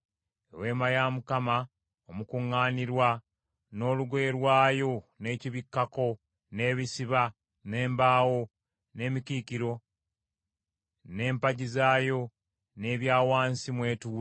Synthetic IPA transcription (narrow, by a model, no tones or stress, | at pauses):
ḛwe̞ːmajaːmukama | omukuŋːaːniɾwa | no̞ːluɡe̞ːɾwaːjo̞ne̞ːciβikːako̞ | ne̞ːβisiβa | ne̞ːmbaːwo̞ | ne̞ːmikiːkiɾo̞ | ne̞ːmpaɟizaːjo̞ | ne̞ːβjaːwaːnsimwe̞ːtuː